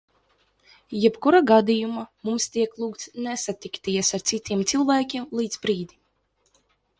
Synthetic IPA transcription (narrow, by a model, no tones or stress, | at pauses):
jɛpkuɾaɡad̪ijumamumst̪iɛklˠuːkt̪snɛsat̪ikt̪iɛsaɾt̪sit̪ʲiɛmt̪silˠvæːkʲiɛmlˠiːd̪zbɾiːd̪i